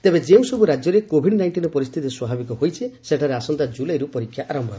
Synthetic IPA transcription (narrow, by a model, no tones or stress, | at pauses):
t̪ebed͡ʒeũsɔbuɾad͡ʒjɔɾekobʱiɖnajɳʈinɔpɔɾist̪ʰit̪iswabʱabikɔɦojt͡ʃʰiseʈʰaɾeasɔnt̪ad͡ʒulajɾupɔɾikʰːjaʔaɾɔmbʱa